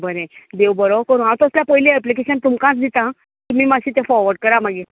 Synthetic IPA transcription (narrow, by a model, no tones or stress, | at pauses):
bəɾẽd̪ewbəɾokəɾũɦãwt̪oəsljapəɦiliːɛplikeɕənt̪umkãt͡sd̪it̪ã | t̪um̤iːmaɕiːt̪ẽfɔɾʋəɾɖkəɾamaɡi